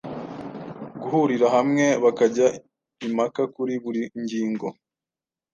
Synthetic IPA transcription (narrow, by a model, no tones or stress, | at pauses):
ɡuhuɾiɾahamŋe̞βakaɟa | imakakuɾiβuɾiɲɟiːŋɡo̞̰